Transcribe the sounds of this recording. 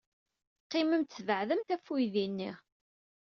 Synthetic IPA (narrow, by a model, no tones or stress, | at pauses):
qːɪməmt̪ːvəʕðəmθæfujðinːi